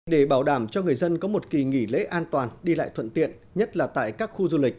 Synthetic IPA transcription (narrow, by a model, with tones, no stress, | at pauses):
ɗe˧˩ɓaː˧˩wɗaː˧˩mt͡ɕɔ˧ŋɨ˨˩əjzə˧nkɔ˨˦mo˨˩t̚ki˨˩ŋi˧˩lḛ˧˥ʔaː˧nt̪waː˨˩nɗi˧la̰ː˧˨jt̪ʰə̰˧˨nt̪ḭ˧˨ən | ɲə˦˥t̚laː˨˩t̪a̰ː˧˨jkaː˦˥k̚xu˧zu˧lï˨˩k̟̚